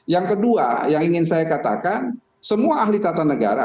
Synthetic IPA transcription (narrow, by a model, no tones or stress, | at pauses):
jaŋkədua̰jaŋiŋɪnsajakat̪a̰kan | səmuaaɦlit̪at̪anəɡa̰ɾa̰